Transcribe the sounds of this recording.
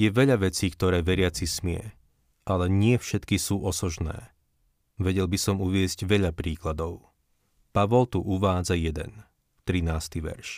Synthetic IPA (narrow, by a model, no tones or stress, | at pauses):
jɛʋɛʎaʋɛt͡siːkt̪ɔɾɛːʋɛɾɪat͡sismɪɛ̰ | ʔalɛɲɪɛfʃɛt̪kisuːʔɔsɔʒnɛ̰ː | ʋɛɟɛlbisɔmuʋɪɛzɟʋɛʎapɾiːklad̪ɔʊ | paʋɔlt̪uʔuʋaːd͡zajɛd̪ɛ̰n | t̪ɾinaːst̪iʋɛ̰ɾʃ